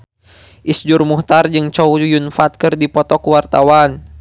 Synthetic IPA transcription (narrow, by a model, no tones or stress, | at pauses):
ʔisd͡ʒurmuht̪ard͡ʒɨŋt͡ʃɔujunfat̪̚kɨrdipɔt̪ɔkuwart̪awan